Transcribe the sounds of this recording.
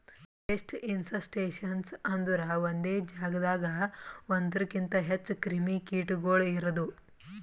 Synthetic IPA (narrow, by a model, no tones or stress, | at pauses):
pesʈinsɐsʈeːʃɐnsɐnd̪uɾɐʋond̪eːd͡ʒaːɡɐd̪aːɡɐond̪ɐɾɐkint̪ɐɦet͡ʃːkɾimikiːʈɡoːɭiɾɐd̪u